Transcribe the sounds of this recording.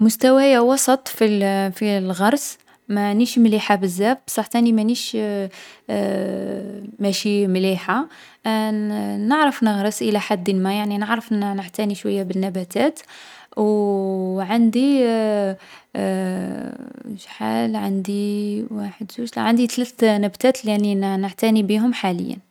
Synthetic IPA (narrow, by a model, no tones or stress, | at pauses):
mʊst̪æwæjawɑsˤɑt̪ˤfifilɣɑɾˤs | mæniʃmliħabəzːæfbsˤɑħt̪ænimæniʃ | mæʃimliħa | nəʕɾəfnəɣɾˤəsʔəlæħad̪ːənmæjaʕninəʕɾəfnnəʕt̪æniʃwæjːabənːæbæt̪æt̪w | ʕənd̪i | ʒħa̰lʕa̰nd̪iwaħəd̪ʒuʃl̰ʕənd̪it̪læt̪næbt̪æt̪læninəʕt̪ænibiɦʊmħalə̰jːæ̰n